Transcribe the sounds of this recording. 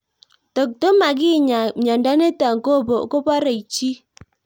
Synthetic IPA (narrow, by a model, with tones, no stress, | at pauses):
to˨k̚to˦ma˨ɡi˦˨ɲa˨m̩˨ɲɔ˨n̩˨dɔ˦ne˦tɔ˨ŋ̩˨ko˦˨bo˨ko˦pɔ˦ɾe˨i˨t͡ʃi˦